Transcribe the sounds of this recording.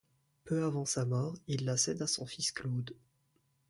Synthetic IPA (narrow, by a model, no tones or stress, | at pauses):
pøavɑ̃samɔːʁilːasɛd̪asɔ̃fisklod̪